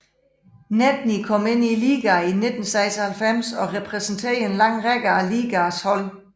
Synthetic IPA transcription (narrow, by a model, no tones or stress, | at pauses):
næd̥nikʰɒ̽me̝n̰iliːɡ̥æine̝d̥n̩sɑ̈ɪsɐhælfem̰sɒ̽ʁɛpʰʁɛsn̩t͡sʰe̝̰ɐe̝nlɑ̈ŋ̰ʁeɡ̥ɐæliːɡ̥æshɒ̽l̰